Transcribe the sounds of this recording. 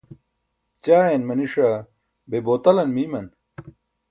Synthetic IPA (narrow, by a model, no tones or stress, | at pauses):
t͡ɕaːenmɐniʂɐ | beboːt̪ɐlɐnmimɐn